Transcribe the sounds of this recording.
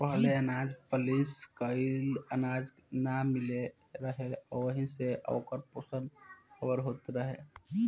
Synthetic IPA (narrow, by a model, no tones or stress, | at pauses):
pəɦleənaːd͡ʒpəliskəɪlənad͡ʒnamɪle | ɾəɦeɔʋəɦĩseʔə̰ːkəɾpoːsənxəbəɾɦoːt̪ɾəɦe